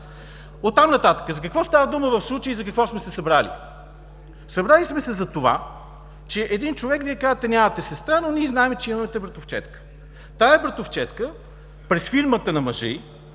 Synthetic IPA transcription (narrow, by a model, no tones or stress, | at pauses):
ot̪ːamnɐt̪at̪ə̥kəzɐkɐkvɔst̪avəd̪uməvɐfslˠut͡ʃəjəizɐkɐkvɔsmɛsɛsɐbɾalḭ | sɐbɾalismɛsɛzɐt̪ova̰ | t͡ʃɛʔɛd̪int͡ʃovɛkviɛkazət̪ɛnʲamɐt̪ɛsɛst̪ɾanonʲiɛznaɛmɛt͡ʃɛimɐmɛt̪ɛbɾɐt̪oft͡ʃɛ̰t̪kə̥ | t̪aɛbɾət̪oft͡ʃɛt̪kə | pɾɛsfiɾmət̪ənɐmɐʒɛ̰j